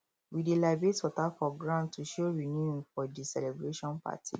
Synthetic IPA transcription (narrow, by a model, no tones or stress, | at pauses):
widelabetɔtapɹɔɡɹãmtuʃoɹinjufɔdisɛlebɹeʃɔ̃npa̰tʰḭ